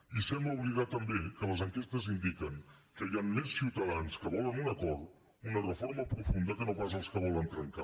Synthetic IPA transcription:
isɛmbləuβliðat̪əmbekələzəŋkest̪əzind̪ikəŋkəajanːessiwt̪əðanskəβɔlˠənunəkɔɾt̪ | unərəfoɾməpɾufund̪əkənopas̬əlˠskəβ̞ɔlənt̪ɾəŋka

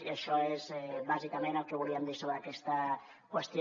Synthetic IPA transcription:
iəʃɔezɛβazikamẽnəlˠkeβuliəmd̪isoβɾəkɛst̪ə | kwəst̪j

